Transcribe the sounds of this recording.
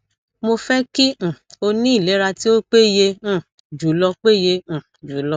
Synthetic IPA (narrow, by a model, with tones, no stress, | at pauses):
mo˧fɛ˦kĩ˦˨o˧nĩ˦i˦˨le˨˦ɾa˧ti˦o˦k͡pe˦jẽ˧˦˨ | d͡ʒu˨˦lɔ˧k͡pe˦jẽ˧˨d͡ʒu˨˦lɔ˧